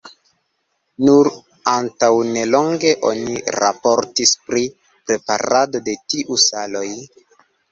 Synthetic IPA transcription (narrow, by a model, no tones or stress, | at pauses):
nuɾ | antawne̞lo̞ŋɡe̞ʔo̞̰niɾa̰po̞ɾtispɾi | pɾe̞pa̰ɾado̞de̞tiʔusalo̞j